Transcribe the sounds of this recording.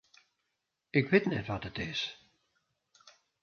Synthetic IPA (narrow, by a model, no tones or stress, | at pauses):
ɪkʋɪtnɛtʋɔtətɪs